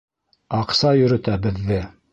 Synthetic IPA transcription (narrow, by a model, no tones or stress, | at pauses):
ɑqsɑjɵ̆ɾɵ̆t̪æbɘ̆ðːɘ